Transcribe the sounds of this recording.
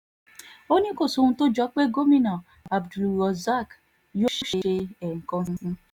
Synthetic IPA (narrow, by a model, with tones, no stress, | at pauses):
o˦ɲe˦ko˨so˨n̩˨to˦d͡ʒɔ˦k͡pe˦ɡo˦mi˦nɔ˨ | a˨bdlu˨ɔ˨za˦˨k | jo˦ʃu˦ʃe˦e˦ɛ˨ŋ̩˨kɔ˦n̩˦ɦ̩˦